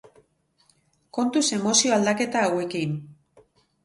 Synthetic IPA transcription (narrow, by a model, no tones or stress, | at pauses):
ko̞nt̪use̞mo̞sio̞ald̪ake̞t̪aːwe̞kin